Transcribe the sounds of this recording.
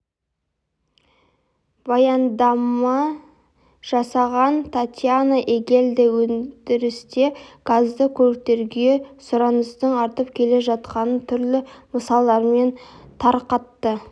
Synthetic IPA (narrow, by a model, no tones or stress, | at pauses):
bɑjɑnd̪ɑmɑ | ʒ̥ɑsɑʁɑnt̪ʰat̪ʲjanəʔekʲe̞ld̪ɪwɵnd̪ɪɾɪst̪e̞ɡ̥azd̪əkʲʰɵɾk̚t̪e̞ɾɡʲe̞sʊɾɑnəst̪əɴɑɾt̪əpkʲʰe̞le̞ʒɑt̪̚qɑnət̪ʰʏɾlɪməsɑlˠɑɾme̞nt̪ʰɑɾqɑt̪ːə